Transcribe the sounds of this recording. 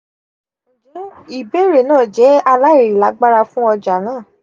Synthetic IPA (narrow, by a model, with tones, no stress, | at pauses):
d͡ʒɛ˨˦i˨be˦ɾe˨nãː˦˨d͡ʒɛ˨˦a˧la˦i˦˨ɾi˨la˨˦ɡ͡ba˦ɾa˧fũ˦ɔ˧d͡ʒa˨nãː˦˨